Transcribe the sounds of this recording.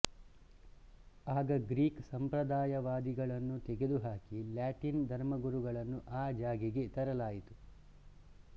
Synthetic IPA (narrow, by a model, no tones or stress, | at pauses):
aːɡɐɡɾiːksɐmpɾɐd̪aːjɐʋaːd̪iɡɐɭɐnːut̪ɛɡe̞d̪uɦaːkiljaːʈind̪ʱɐɾmɐɡuɾuɡɐɭɐnːuʔaːd͡ʒaːɡiɡe̞t̪ɐɾɐlaːjit̪u